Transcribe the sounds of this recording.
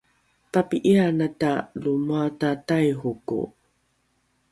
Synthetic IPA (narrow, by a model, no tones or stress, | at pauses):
papiʔianatalumuatatajɦukṵ